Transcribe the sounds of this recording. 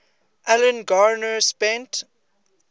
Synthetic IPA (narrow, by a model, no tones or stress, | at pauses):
ʔælə̃nɡaɹnəspɛ̃nt